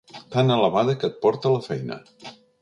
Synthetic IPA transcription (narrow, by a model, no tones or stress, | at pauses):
t̪anələβaðəkət̪̚pɔɾt̪ələfɛjnə̰